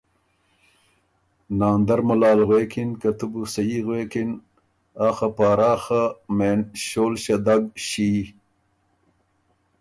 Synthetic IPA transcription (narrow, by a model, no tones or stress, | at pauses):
naːnd̪ɐɾmɐlaːlɣweːkʰinkɐt̪ubusɐiːɣweːkin | aːxɐpaːɾaːxameːnɕoːlɕɐd̪aɡɕiː